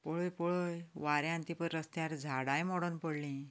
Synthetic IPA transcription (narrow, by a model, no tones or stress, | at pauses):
pɔɭojpɔɭojʋaɾjãnt̪ipəɾɾəst̪jaɾd͡zʱaɽajmɔɽənpɔɽlĩ